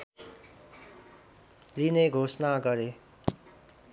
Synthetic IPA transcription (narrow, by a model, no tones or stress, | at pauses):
lineɡʱosnaɡʌɾe